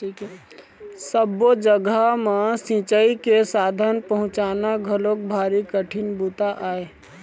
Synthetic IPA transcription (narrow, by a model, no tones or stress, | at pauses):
ʈʰiːkɛ | səbod͡ʒəɡəmẽsĩt͡ʃəikesaːd̪ʱənpəɦʊ̃t͡ʃaːnaɡʱəlõk̚bʱaːɾikəʈʰɪnbut̪aʔaːeː